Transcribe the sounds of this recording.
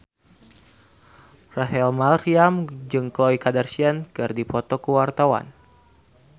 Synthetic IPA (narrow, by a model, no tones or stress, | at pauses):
raɦɛlmalriamd͡ʒɨŋkɔikadərsiankɨrdipɔt̪ɔkəwart̪awa̰n